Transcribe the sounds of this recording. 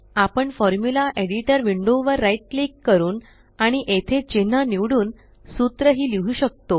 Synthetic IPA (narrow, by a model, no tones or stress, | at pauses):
apəɳfɔɾmjulaʔeɽiʈəɾʋiɳɖoʋəɾːaiʈ̚likːəɾuːn | aɽ̃iʔet̪ʰet͡ɕin̤aniʋɽuːn | sut̪ɾəɦiːliɦuːɕək̚t̪o